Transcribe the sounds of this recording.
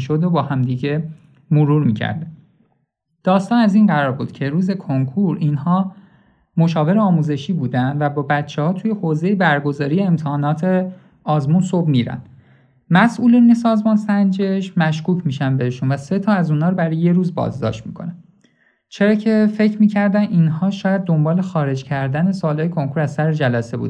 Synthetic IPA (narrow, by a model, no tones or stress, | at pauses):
ʃod̪obɒːhæmd̪iɟe̞ | moɾuːɾmiːcʰæ̰ɾd̪e | d̪̥ɒːst̪ɒːnæzinɢæɾɒːɾbṵːd̪̥cʰe̞ɾuːze̞kʰoŋkʰuɾiːnhɒː | mo̞ʃɒːve̞ɾeɒːmuze̞ʃiːbuːd̪ænd̪væbɒːbæt̪t͡ʃʰehɒːt̪ʰuːje̞hoːze̞jebæɾɡo̞zɒːɾijeːmt̪ʰehɒːnɒːt̪ʰe | ɒːzmunsobmiɾæ̰n | mæsʔuːline̞sɒːzmɒːnsænd͡ʒe̞ʃmæʃkuːcʰmiːʃænbe̞heʃunvæse̞t̪ʰɒːæzuːnhɒːɾbæɾɒjje̞ɾuːzbɒ̰ːzd̪ɒ̰ːʃt̪mḭːkʰo̞̰næ | t͡ʃʰeɾɒːcʰe̞fe̞cʰɾmiːcʰæɾd̪æninɦɒːʃɒːjæd̪̚ːo̞mbɒːle̞xɒːɾe̞d͡ʒcʰæɾd̪æne̞sɒːlhɒːjekʰo̞ŋkʰuɾæzsæɾed͡ʒælæse̞bṵd̪